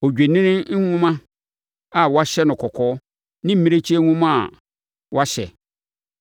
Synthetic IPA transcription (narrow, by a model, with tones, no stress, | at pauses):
o˨d͡ʑᶣe˨nɪ̃˦nɪ̃˦n̩˦ŋʊ̃˦mã˦ | a˨wa˦ɕɛ˦nʊ̃˨kʰɔ˨kʰɔː˦ | nɪ̃˦m̩˦mĩ˦e˦t͡ɕʰi˦e˦ŋʷʊ̃˦mã˦˨ | wa˦ɕɛ̰˨